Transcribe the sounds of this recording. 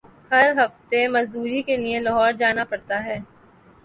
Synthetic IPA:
hɐɾɦɐft̪emɐzd̪uːɾikelielɐɦɔːɾd͡ʒaːnapɐɽt̪aɦɛː

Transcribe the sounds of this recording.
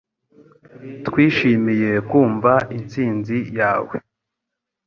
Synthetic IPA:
tkwiːʃimije̞kwuːɱvaint͡siːnzijaːwḛ

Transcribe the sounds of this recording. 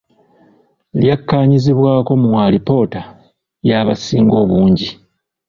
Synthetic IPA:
ljakːaːɲiziβwaːko̞muwaːlipo̞ːta | jaβasiːŋɡo̞ːβuːɲɟi

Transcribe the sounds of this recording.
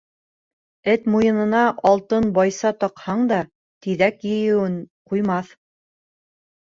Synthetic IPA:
ɘt̪mujɤ̆nɤ̆nɑʔɑlˠt̪ɤnbɑjsɑt̪ɑqhɑɴd̪ɑ | t̪iðækjɘ̆jɘ̆wɘɴqujmɑθ

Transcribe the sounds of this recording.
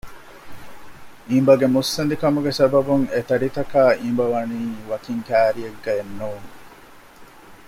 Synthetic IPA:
ʔimbɐɡemusːɐnd̪ikɐmuɡesɐbɐbuŋet̪ɐɾit̪ɐkaːʔimbɐʋɐniːʋɐkiŋkæːɾieɡːɐenːuːŋ

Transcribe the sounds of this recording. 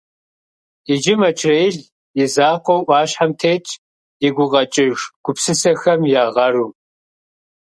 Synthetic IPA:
ɪd͡ʒɪmɐt͡ʃʰrejɮ | jɪzaːqʷowʔʷɑːɕħamtʰeːt͡ʃʼ | jɪɡʷʊʁɐt͡ʃʼɪʒɡ̥ʷʊpsɨsɐxɐmjaːʁɐruː

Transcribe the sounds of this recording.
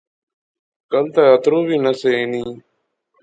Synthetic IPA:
kəlt̪aːət̪ɾoːbiːnəseːeːniː

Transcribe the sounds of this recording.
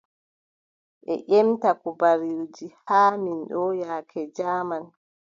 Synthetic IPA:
ʔɛ̰ʔɛmtakubaɾiɾd͡ʒihaːminɗɔjaːkʰɛd͡ʒaːman

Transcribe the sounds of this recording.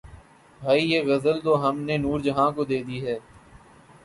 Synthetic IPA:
bʱaːijeːɣɐzəlt̪oːɦəmneːnuːɾd͡ʒəɦãːkod̪eːd̪iːɦɛː

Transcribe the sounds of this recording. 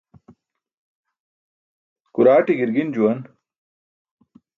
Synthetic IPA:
kuɾaːʈiɡiɾɡind͡ʑuwɐn

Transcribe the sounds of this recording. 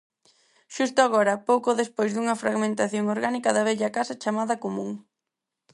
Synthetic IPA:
ʃust̪ʊaɣɔɾɐpowkoðespojzðuŋɐfɾaɣmẽnt̪aθjoŋoɾɣanikɐðɐβ̞ɛʎɐkasɐt͡ʃamaðɐkomũŋ

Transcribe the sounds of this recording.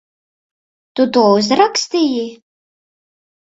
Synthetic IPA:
t̪ut̪uɔuzɾakst̪iji

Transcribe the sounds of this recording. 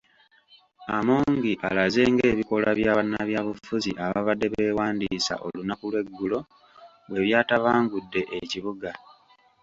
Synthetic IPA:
amuːŋɡiʔalaze̞ːŋɡe̞ːβiko̞laβjaβanaβjaβufuziʔaβaβadːe̞βe̞ːwaːndisa̰ʔo̞̰lunakulwe̞ɡːulo̞ | we̞βjaːtaβaːŋɡudːe̞ʔeciβuɡa

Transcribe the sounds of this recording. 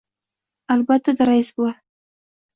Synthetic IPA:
albat̪ad̪aɾɑisbəwa

